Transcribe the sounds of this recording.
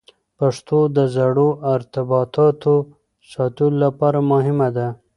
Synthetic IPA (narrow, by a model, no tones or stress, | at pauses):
paʂt̪od̪əzaɽoɪɾt̪ɪbɑt̪ɑt̪o | sɑt̪ulolapɑɾamʊɦɪmad̪a